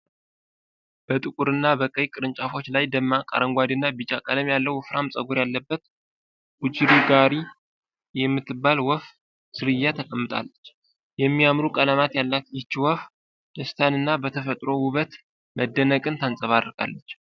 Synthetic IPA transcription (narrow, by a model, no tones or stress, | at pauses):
b̥ət̪ʼɨkʼuɾɨnːabəkʼəjkʼɨɾɨnt͡ʃʼafo̞t͡ʃːlajd̪əmːakʼa̰ɾəŋɡʷad̪ɨnːabit͡ʃakʼələmjalːəwfɾamsʼəɡuɾjalːəbːət̪ | ɡud͡ʒiɾiɡaɾi | jɛmːɨt̪ːɨbalwɔf | sɨɾɨjːat̪ʰəkʼəmːɨt̪ʼa̰lːət͡ʃː | jɛmːiamɾukʼələmat̪jalːakjɪt͡ʃːiwɔf | d̪əst̪ʰanɨnːabət̪ʰəfət̪ʼɾo̞wuβət̪ | mʔəd̪ːənəkʼɨnt̪ʰansʼəβad̪ɾkʼa̰lːət͡ʃː